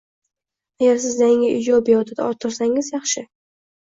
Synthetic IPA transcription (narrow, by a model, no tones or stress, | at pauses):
aɡʲaɾsɪzd̪aɪŋʲɪʔɪd͡ʒɒbjɒt̪ʰɪd̪a̰ɒɾt̪ʰːɪɾsaŋɪzjɑχʃɪ